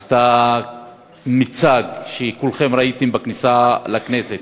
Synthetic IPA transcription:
st̪a | mit͡saɡʃekulχe̞mɾait̪imbaknisalakneset̪

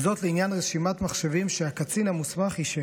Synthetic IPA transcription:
zot̪leinjanʁeʃimat̪maχʃevimʃeakat͡sinamusmaχiʃe

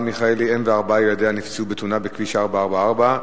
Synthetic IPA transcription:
miχaeliemveaʁbajelad̪eanift͡subet̪unabekviʃaʁbaaʁbaaʁba

